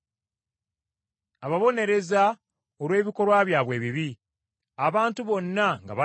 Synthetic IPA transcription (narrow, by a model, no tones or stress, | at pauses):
aβaβo̞ne̞ɾe̞za | olwe̞ːβiko̞ɾwaːβjaːβwe̞ːβiβi | aβaːntuβo̞nːaŋɡa̰βa